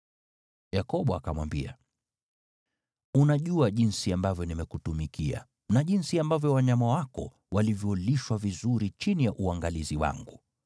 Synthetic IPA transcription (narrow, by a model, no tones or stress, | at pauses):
jakɔɓɔakamwa̰mbḭa̰ | unaʄuaʄinsiambavjɔnimɛkutumikia̰ | naʄinsiambavjɔwaɲamawakɔ̰ | walivjɔliʃwavizuɾit͡ʃinijaʔuaŋɡaliziwa̰ŋɡu